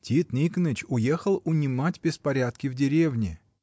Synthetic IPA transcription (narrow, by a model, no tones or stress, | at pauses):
tʲit̪nʲiknɨt͡ɕʊje̞xəlˠʊnʲɪmatʲbʲɪspɐɾʲat̪̚kʲɪvdʲɪɾʲevnʲɪ